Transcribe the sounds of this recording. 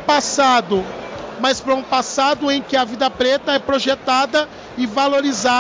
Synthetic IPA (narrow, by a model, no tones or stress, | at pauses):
pasad̪ʊmaspɾɐũpasad̪ʊẽj̃kɪɐvid̪ɐpɾet̪ɐɛpɾoʒet̪ad̪ɐ | ɪvaloɾiza